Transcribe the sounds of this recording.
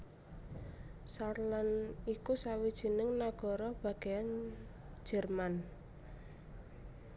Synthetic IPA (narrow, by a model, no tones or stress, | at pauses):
sarlanikusawid̥ʒ̥i̤nɪŋnaɡ̥ɔ̤ɾɔb̥a̤ɡ̥ejan̥ | d͡ʒ̥ɛ̤rman